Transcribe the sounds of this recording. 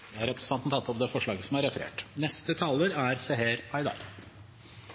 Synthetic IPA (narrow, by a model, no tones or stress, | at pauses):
d̪ɛæɾɛpɾəsɑnt̪n̩t̪ʰɑt̪ːɔpd̪ɛːfɔʂɭɑːɡəsɔmæɾɛfəɾḛːʈnɛst̪ət̪ʰɑːləɾæɾseːɦeːɾʰɑɪd̪ɑ̰ːɾ